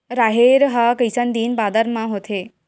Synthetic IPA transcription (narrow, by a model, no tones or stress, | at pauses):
ɾaɦeɾɦakəjsənd̪iːnbaːd̪əɾmãɦot̪ʰe